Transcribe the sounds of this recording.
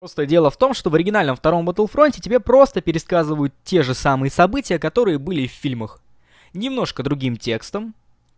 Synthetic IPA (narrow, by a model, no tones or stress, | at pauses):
post̪ədʲe̞lˠəft̪o̞mʂt̪o̞vəɾʲɪɡʲɪnalʲnəmft̪ɐɾo̞mbət̪əlˠfɾo̞nʲtʲɪtʲɪbʲe̞pɾo̞st̪əpʲɪɾʲɪskazɨvəjʊt̪tʲːe̞ʐɨsamɨjəsɐbɨtʲɪjəkɐt̪o̞ɾɨjəbɨlʲɪffʲilʲməx | nʲɪmno̞ʂkəd̪ɾʊɡʲimtʲe̞kst̪əm